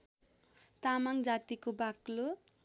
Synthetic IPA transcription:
t̪amaŋd͡zat̪ikobaklo

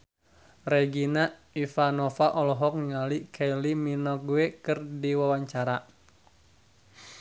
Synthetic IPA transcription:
reɡina | ifanɔfaʔɔlɔɦɔk̚ŋalikʰeliminɔkɡuekɨrdiwawaɲt͡ʃaɾa

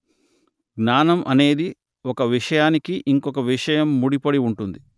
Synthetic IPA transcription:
ɡnaːnɐmʔɐne̞ːd̪i | ɔkɐʋiʂɐjaːnikiʔiŋkɔkɐʋiʂɐjɐmːuɽipɐɽiuɳʈund̪i

